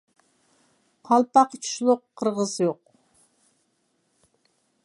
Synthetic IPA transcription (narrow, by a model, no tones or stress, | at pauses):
qʰɑlˠpɑqt͡ʃʰu̥ʃlˠʊqʰːəɾʁəzjoq̚